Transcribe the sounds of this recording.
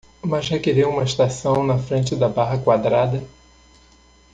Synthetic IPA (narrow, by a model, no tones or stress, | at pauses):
mɐzhekeɾiwũmɐist̪asɐ̃w̃nɐfɾẽnt͡ʃɪd̪ɐbaɦɐkwad̪ɾad̪ɐ